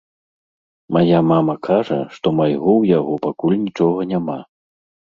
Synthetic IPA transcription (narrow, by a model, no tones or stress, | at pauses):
majamamɐkʰaʐɐ̰ʂt̪ɔmajɣɔwjaɣɔpakulʲnʲit͡ʂɔɣɐnʲama